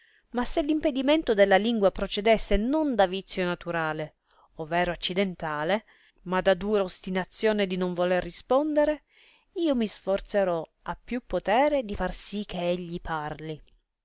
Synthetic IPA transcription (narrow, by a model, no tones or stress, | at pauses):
masːelːimped̪iment̪od̪elːaliŋɡwapɾot͡ʃed̪ɛsːenond̪avit̪sːjonat̪uɾaːle | ovːɛːɾoat͡ʃːid̪ent̪aːle | mad̪ad̪uːɾaost̪inat̪sːjoːned̪inoɱvolerːispond̪eɾe | iːomisfort̪seɾɔ | apːjupːot̪ɛːɾed̪ifarsik̟ːeeʎːipʰarli